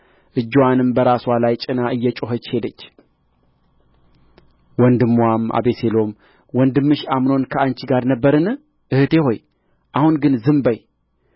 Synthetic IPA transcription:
ʔɨd͡ʒːwanɨmbəɾaswalajt͡ʃʼɪnaʔɨjːɛt͡ʃʼoɦət͡ʃːhe̞d̪ət͡ʃː | wɔnd̪ɨmːwamʔa̰be̞se̞lo̞m | wɔnd̪ɨmːɨʃamno̞nkʰəant͡ʃiɡaɾnəbːəɾɨnɨ | ʔɨhɨt̪e̞ho̞j | ʔahunɡɨnzɨmbəj

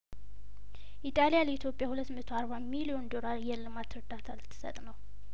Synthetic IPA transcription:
ʔit̪ʼalijaləit̪ʰjopʼjahulət̪ːmət̪ʰoaɾβamilijo̞nd̪o̞laɾjɛlːɨmat̪ɾɨd̪at̪ʰalt̪ʰːɨ̥sə̰t̪ʼnəw

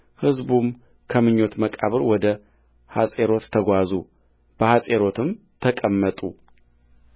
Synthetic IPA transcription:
hɨzbum | kʰəmɨɲːo̞t̪məkʼa̰βɨɾwɔd̪ə | hasʼe̞ɾo̞t̪ʰːəɡʷazu | b̥əhasʼeɾo̞t̪ʰɨm | t̪ʰəkʼəmːət̪ʼṵ

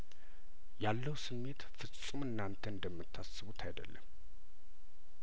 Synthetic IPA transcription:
jalːəwsɨmːe̞t̪fɨt͡sʼːumɨnːant̪ʰəɨnd̪əmːɨt̪ʰːasːɨβut̪ʰajd̪ə̰lːə̰mː

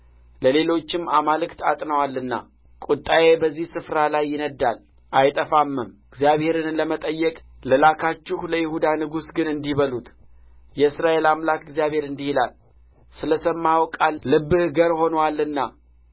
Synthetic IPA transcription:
ləle̞lo̞t͡ʃːɪmːamalɨkt̪ʰat̪ʼnəwalːɨnːa̰ | kʼut̪ʼːaje̞bəzːihsɨfɾalajːɪnəd̪ːal | ʔajt̪ʼəfamːɨmɨɡzjaβhe̞ɾɨnləmət̪ʼəjːɛkʼlɨlakʰat͡ʃːɪhləjɪhud̪anɨɡusɡɨnɨnd̪iβəlut̪ | jɛɨsɾaʔe̞lamlakɨɡzjaβhe̞ɾɨnd̪ihilal | sɨləsəmːahwkʼalːɨbːɨhɡəɾho̞nəwalːɨnːa

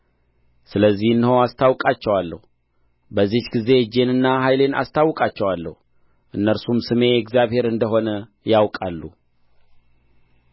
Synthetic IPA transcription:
sɨləzːihɨnːɨhowast̪ʰawkʼat͡ʃːɛwalːə̰hu | bəzːihɡize̞d͡ʒe̞nɨnːaɦajle̞na̰st̪ʰawːkʼat͡ʃːɛwalːə̰hu | ʔɨnːəɾsumsɨme̞ɛɡzjaβhe̞ɾɨnd̪əɦo̞nə | jawkʼalːu

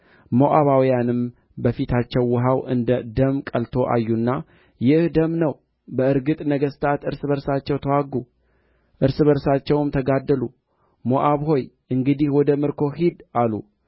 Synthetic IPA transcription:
moʔaβawjanɨm | bəfit̪ʰat͡ʃːɛwːɨɦawʔɨnd̪əd̪əmkʼəlt̪ʰo̞ʔa̰jːunːa | jɪhd̪əmnəw | bəɨɾɡɨt̪ʼnəɡəst̪ʰat̪ɨɾsɨβəɾsat͡ʃːɛwt̪ʰəwaɡːu | ʔɨɾsɨβəɾsat͡ʃːɛwmt̪ʰəɡad̪ːəlu | moʔaβɦo̞jʔɨŋɡɨd̪ihwɔd̪əmɨɾkʰo̞hid̪ʔalṵ

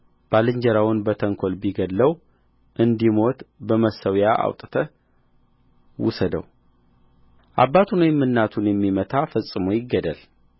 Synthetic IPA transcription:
b̥alɨɲd͡ʒəɾawʊnbət̪ʰəŋkʰo̞lbiɡəlːəw | ʔɨnd̪imo̞t̪bəməsəwjaʔa̰wt̪ʼt̪ʰə | wʊ̰səd̪ə̰w | ʔabːat̪ʰunwjɛmːɨnːat̪ʰunjɛmːimət̪ʰafəsʼːɨmojɪɡːəd̪əl

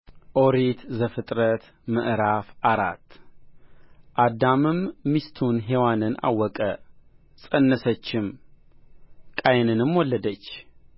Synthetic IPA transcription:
ʔoɾit̪zəfɨt̪ʼɾət̪ | mɨʔɾafʔaɾa̰t̪ː | ʔad̪amɨmːist̪ʰunɦewanɨna̰wːɔkʼə | sʼənːəsət͡ʃːɪm | kʼajnɨnɨmwɔlːəd̪ət͡ʃː

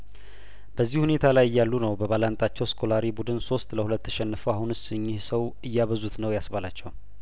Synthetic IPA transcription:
b̥əzːihune̞t̪ʰalajɨjːalːunəwbəβalant̪ʼat͡ʃːɛwskʰo̞laɾibud̪ɨnso̞st̪ləhulət̪ːəʃɛnːɨfəwahunɨsɨɲːɪhsəwɨjːaβəzut̪nəwjasbalat͡ʃːɛw

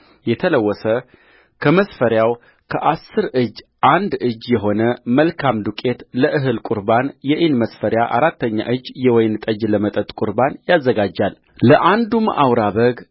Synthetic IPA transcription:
jɛt̪ʰələwːɔsə | kʰəməsfəɾjaw | kʰə̰ʔasːɨɾɨd͡ʒːʔand̪ɨd͡ʒːjɛɦo̞nəməlkʰamd̪ukʼe̞t̪ləʔɨɦɨlkʼuɾbanjɛʔinməsfəɾjaʔa̰ɾat̪ːəɲːa̰ʔɨd͡ʒːjɛwɔjnt̪ʼəd͡ʒləmət̪ʼət̪ʼkʷʼuɾbanjazːəɡad͡ʒːal | ləʔand̪umə̰ʔawɾaβəɡ

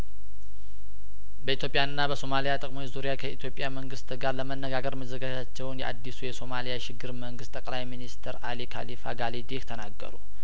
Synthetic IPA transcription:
bəit̪ʰjo̞pʼjaɨnːabəso̞malijat̪ʼəkʼmojzuɾijakʰəit̪ʰjo̞pʼːjaməŋɡɨst̪ɡaɾləmənːəɡaɡəɾməzəɡad͡ʒat͡ʃːɛwnjɛʔa̰d̪ːisujɛso̞malijaʃɪɡːɨɾməŋɡɨst̪ʼəkʼlajminist̪ʰəɾalikʰa̰lifa̰ɡalid̪iht̪ʰənaɡːə̰ɾṵ

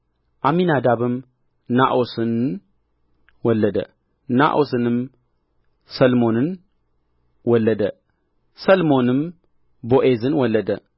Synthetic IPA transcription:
ʔaminad̪aβɨm | naʔosɨn | wɔlːəd̪ə̰ | na̰ʔosɨnɨm | sɐlmonɨn | wɔlːəd̪ə | sɐlmo̞nɨm | boʔezɨnwɔlːəd̪ə

